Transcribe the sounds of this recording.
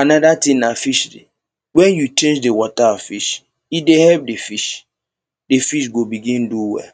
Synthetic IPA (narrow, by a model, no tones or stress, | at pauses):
anadatinafiʃdḭ | wɛnjut͡ʃẽnd͡ʒdewɔtafiʃ | idehɛp̚defiʃ | defiʃ̬ɡobiɡĩnduwɛ̰